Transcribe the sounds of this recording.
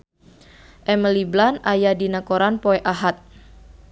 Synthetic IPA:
ʔɛməliblanajadinakoɾanpoɛʔaɦat̪̚

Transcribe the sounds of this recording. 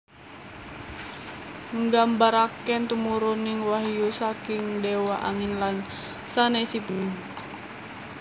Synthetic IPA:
ŋɡambaɾakɛnt̪umuɾuniŋwaɦjusakiŋdɛwaʔaŋinlan | sanɛsipni

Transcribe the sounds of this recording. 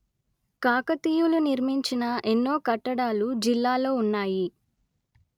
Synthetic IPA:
kaːkɐt̪iːjuluniɾmiɲt͡ʃinɐʔenːo̞ːkɐʈːɐɽaːlud͡ʒilːaːlo̞ːunːaːji

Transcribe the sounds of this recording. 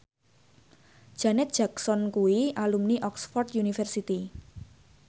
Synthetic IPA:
d̥ʒ̥a̤nɛt̪̚ʒ̥aksɔnkuwiʔalumniʔɔksfɔrt̪junifɛrsit̪i

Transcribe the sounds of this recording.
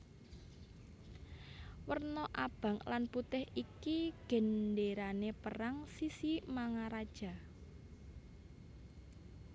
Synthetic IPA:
wərnɔʔab̥a̤ŋlanput̪ɪhikiɡ̥ə̤nɖeɾanepəraŋsisimaŋaɾad̥ʒ̥ä̤

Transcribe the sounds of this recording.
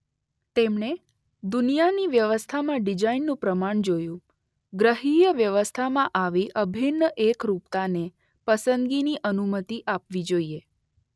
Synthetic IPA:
t̪emɳe | d̪unijaniʋjəʋəst̪ʰamãɖid͡ʒainːũpɾəmaɳd͡ʒojũ | ɡɾəɦijəʋjəʋəst̪ʰamãʔaʋiʔəbʱinːəʔekɾup̚t̪ane | pəsənd̪ɡiniʔənumət̪iʔapʋid͡ʒoie

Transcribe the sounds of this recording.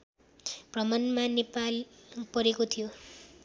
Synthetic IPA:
prʌmʌnmanepalpʌɾekot̪ʰijo

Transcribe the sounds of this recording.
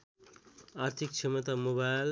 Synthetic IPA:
aɾt̪ʰik̚t͡ʃʰemʌt̪amobal

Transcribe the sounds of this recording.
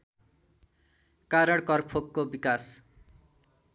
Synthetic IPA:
kaɾʌɽ̃kʌrpʰokːobikas

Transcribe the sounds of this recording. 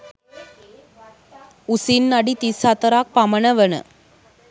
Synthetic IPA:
usinːɐɖit̪isat̪ɐɾaːk̚pɐmɐnɐʋɐnə̰

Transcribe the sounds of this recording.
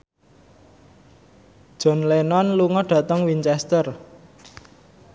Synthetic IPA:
d̥ʒ̥ɔ̤nlenɔnluŋɔɖ̥ä̤t̪əŋwiɲt͡ʃɛst̪ər

